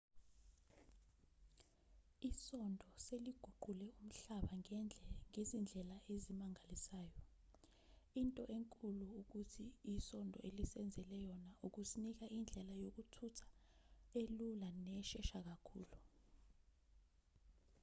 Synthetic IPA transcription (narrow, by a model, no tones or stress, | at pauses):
isɔndʱɔseliɡ̥ʱuɡ͡ǃʱulɛum̩ɬaɓa | ŋezind͡ɮʱɛlaezimaŋʱalisaːjɔ | intʼɔʔeŋkʼuluuk̬utʰiisɔndʱɔ̰elisɛnd͡zʱɛlɛjɔnaʔuk̬usinik̬aind͡ɮʱɛlajok̬utʰutʰḁelulanɛʃɛʃak̬akʰṵːlu